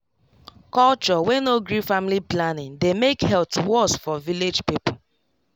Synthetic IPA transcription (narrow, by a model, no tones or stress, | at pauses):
kɔlt͡ʃɔwɛ̃noɡɾifamiliplanɪ̃ŋdemekhɛltwɔsfɔviled͡ʒpipo